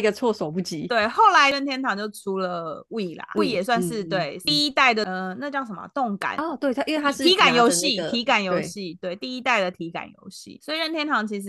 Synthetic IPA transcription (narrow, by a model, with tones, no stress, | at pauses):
i˧ɡə˧t͡sʰwɔ˥˧swɔ˨˩pu˥˩t͡ɕi˨˥˦t̪we˥˩ɪxo˥˩ʊla˧˥ɪɻə˥˩nt̪ʰjɛ˥nt̪ʰɑ˨˩ŋt͡ɕjo˥˩ʊʈ͡ʂʰu˧˥lə˨u˥i˥˩lɐ̰˩˥i˥˩jɛ˨˩swa˥˧nʂɻ̩˥˧t̪we˥˩ɪi˥˧i˦˥t̪a˥˩ɪd̪ə˩ə˧˩na˥˧t͡ɕjɑ˥˧ʊʂə˧˩mə̰˧t̪ʊ˥˩ŋka̰˨˩˦n˧˩t̪we˥˩ɪt̪ʰi˥nwe˥˧˩t̪ʰi˨˥ka˨˩njo˧˥ʊɕi˥˨t̪ʰi˧˥ka˨˩njo˧˥ʊɕi˥˧˨t̪we˥˩ɪt̪i˥˩i˥t̪a˥˩ɪd̪ə˩t̪ʰi˧˥ka̰˨˩njo̰˧˥ʊɕḭ˥˩swɔ˧˥i˨ɻə˥nt̪ʰjɛ˥nt̪ʰɑ˧˥ŋt͡ɕʰi˧˥ʂ̬̩˧